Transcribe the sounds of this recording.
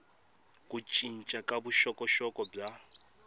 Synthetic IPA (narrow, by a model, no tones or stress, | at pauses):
kʼut͡ʃʼin̩t͡ʃʼakʼabuʃɔkʼɔʃɔkʼɔbja